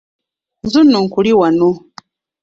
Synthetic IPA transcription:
nzunoŋkuliwano

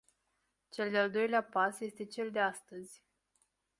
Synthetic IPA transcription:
t͡ʃe̞ld̪eald̪o̞jleapasje̞st̪e̞t͡ʃe̞ld̪e̞ast̪əzʲ

